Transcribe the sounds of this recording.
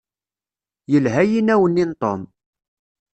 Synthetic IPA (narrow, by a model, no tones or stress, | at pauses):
jəlɦæjinæwənːint̪o̰m